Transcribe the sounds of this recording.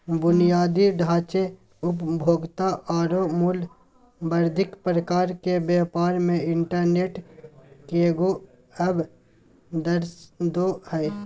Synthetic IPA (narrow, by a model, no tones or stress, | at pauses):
bʊnijaːd̪iɖʱaːt͡ʃe | ʊpbʱoːɡt̪aʔːɾomʊl | bəɾd̪ʱɪkpɾəkaːɾkebɛːpaːɾmẽɪɳʈəɾneːʈkeːɡo | ɐb | d̪əɾsd̪ohɛ